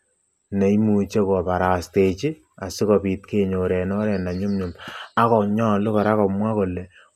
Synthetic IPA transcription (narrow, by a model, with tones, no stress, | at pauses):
ne˨i˦mu˨t͡ʃe˦kɔ˨pa˨ɾa˨ste˨t͡ʃi˦ | a˨si˦kɔ˨pi˨tke˦ɲo˨ɾɛ˨nɔ˦ɾɛ˨na˨ɲu˦mɲu˨ma˦kɔ˨ɲɔ˦lʊ˦kɔ˨ɾa˦kɔ˨mwa˦ko˨le˨